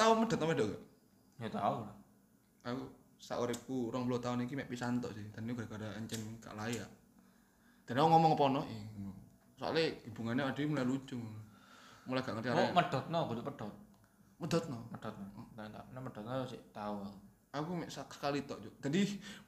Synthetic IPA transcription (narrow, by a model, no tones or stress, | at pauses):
t̪auməd̥ɔ̤t̪̚nɔpɛdɔʔɡaʔ | jat̪aula | aku | sa̰ʔoɾɪp̚kuɾɔŋbulot̪aʊnikimɛʔpisant̪ɔ̰ʔsɪhd̪anikuɡadaɡadaəɲt͡ʃɛnka̰ʔlajaʔ | d̪̥anakuŋɔmɔŋpɔnɔi | so̰a̰leibuŋanaad̥amulajlut͡ʃʊŋ | mulajɡ̥aʔŋərt͡ʃaɾaməd̥ɔt̪̚nɔɡuduʔpəd̥ɔt̪̚ | mədɔt̪̚nɔməd̥ɔt̪̚ɔat̪anaməd̥ɔt̪̚nɔsɪ̰t̪aua | akumɛʔsakskalit̪ɔʔd͡ʒoʔd͡ʒadi